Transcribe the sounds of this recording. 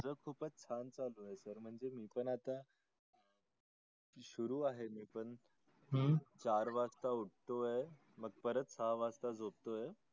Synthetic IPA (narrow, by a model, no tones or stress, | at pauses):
d͡zəːkʰuːpət͡st͡ɕʰant͡saloesəɾm̤əɳd͡zemiːpəɳat̪a | ɕuɾuːaɦemiːpəɳ | t͡ɕaɾʋast̪auʈ̚t̪oe | məɡ̚pəɾət̪saɦʋast̪ad͡zob̚t̪oe